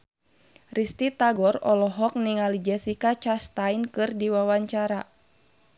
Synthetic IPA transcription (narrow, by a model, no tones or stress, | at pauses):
rist̪it̪aɡɔrɔlɔɦɔk̚niŋalid͡ʒɛsikat͡ʃast̪ajnkɨrdiwawaɲt͡ʃaɾa